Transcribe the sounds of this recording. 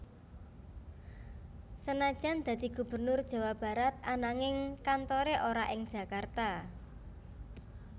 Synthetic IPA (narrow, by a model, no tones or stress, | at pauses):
sənad̥ʒ̥and̪̥ä̤d̪̥i̤ɡ̥ṳbə̤rnʊrd̥ʒ̥ä̤wab̥a̤ɾat̪̚anaŋɪŋkant̪oɾeʔoɾaʔɪŋd̥ʒ̥a̤kart̪a